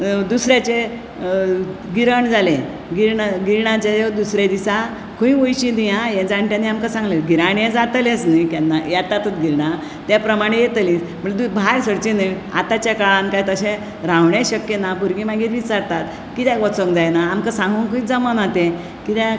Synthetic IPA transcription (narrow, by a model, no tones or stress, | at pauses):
d̪usɾjat͡ɕe | ɡiɾəɳd͡zalẽ | ɡiɾɳaɡiɾɳat͡ɕajod̪usɾed̪isa | kʰũĩʋojɕĩd̪ijãjẽd͡zaɳʈjãnːiamkasãŋɡleɡiɾaɳjẽd͡zat̪əlet͡snəkanːajat̪at̪ət̪ɡiɾɳa | t̪japɾəmaɽ̃ejet̪liməʈd̪ubʱaɾsəɽt͡ɕinə | a̰t̪at͡ɕjakaɭãnkajt̪əɕẽ | ɾawɳeɕəkjenabʱuɾɡimaɡiɾʋit͡saɾt̪at̪ | kit̪jãɡɔt͡sõŋkd͡zajnaːmkasãŋɡuŋkuĩd͡zəmənat̪ẽ | kit̪jã